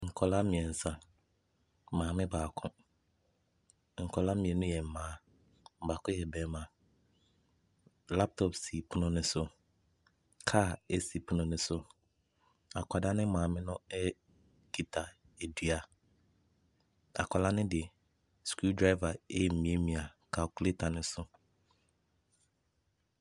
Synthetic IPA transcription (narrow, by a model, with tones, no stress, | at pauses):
ŋ̩˨kʰɔ˨la˦mĩ˨ɛ̃˨n̩˨sã˨ | mãː˨mɪ̃˦baː˨kʰʊ̃˦ | ŋ̩˨kʰɔ˨la˦mĩ˨ɛ˨nʊ̃˦jɛ˨m̩˨mãː˨˦˨ | ba˨kʰʊ̃˦jɛ˨bɛː˨mã˨ | la˦p̚tʰɔ˦˨psi˨pʰu˦nʊ̃˦nʊ̃˦sʊ˦ | kʰaː˦˨e˦si˨pʰu˦nʊ̃˨nʊ̃˦sʊ˦ | a̰˨kʰʷa˨da˦nɪ̃˦mãː˨mɪ̃˦nʊ̃˦ɛ˦ | kʰi˨tʰa˨ | e˨di˨a˨ | a̰˨kʰʷa˨la˦nɪ̃˦dɪ˨ɛ˨ | sku˦dɾa˦i˦va˨e˦˨m̩˨mĩ˦e˦mĩ˨a˨kʰa˨klɪ˦tʰa˨nɪ̃˦sʊ˦